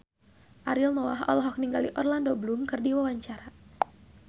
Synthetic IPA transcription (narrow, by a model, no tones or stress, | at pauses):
ʔaɾilnɔwaɦɔ̰lɦɔk̚niŋɡalḭʔɔrlandoblumkɨrdiwawaɲt͡ʃaɾa